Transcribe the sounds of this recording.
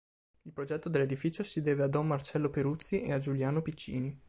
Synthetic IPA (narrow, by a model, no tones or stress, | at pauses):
ilpɾod͡ʒɛt̪ːod̪elːed̪ifiːt͡ʃosid̪ɛːvead̪ɔmːart͡ʃɛlːopeɾut̪sːiʔḛad͡ʒuljaːnopit͡ʃːḭːni